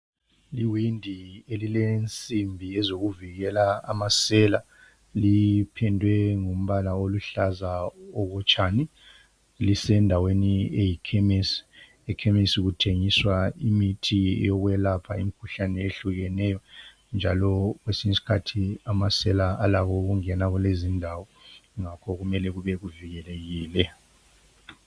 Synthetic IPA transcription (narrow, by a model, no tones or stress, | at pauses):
liwindʱielilent͡sʼimbʱijɛzoɣuviɣɛlaa̰masɛla | lipʰɛndʱwɛŋum̩βalaoluɬazaɔɣɔt͡ʃʼani | lisɛndʱaweniejikʰemes | ɛkʰemisiɣutʰeŋiswaimitʰiɛ̰jɔɣwɛlapʰa̰imikʰuɬanɛeɬuɣɛnɛjɔ | nd͡ʒʱalɔɣwesiɲisi̥kʰatʰiamasɛlaalaɣɔɣuŋɛnaɣulezindʱawɔŋakʰɔɣumɛlɛɣuβɛɣuviɣɛleɣiːlɛ